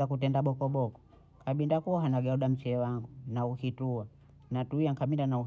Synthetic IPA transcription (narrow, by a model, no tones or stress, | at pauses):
akutɛndaɓɔkɔɓɔkɔ̥ | kaɓindakuɔɦanaɡɛɔɗam̩t͡ʃɛːwaŋɡunauhitua | natuijaŋkaɓindanau